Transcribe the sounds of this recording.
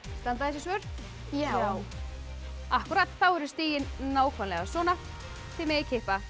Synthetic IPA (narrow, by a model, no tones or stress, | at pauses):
st̪ant̪aɛsɪsvœɾ̥ | a | ahkʏɾat̪θawɛɾɪ̥st̪iːjɪnnaːwkʰvanlɛɣasɔːna | t̪ʰɪlmɪɣɪcʰɪhpa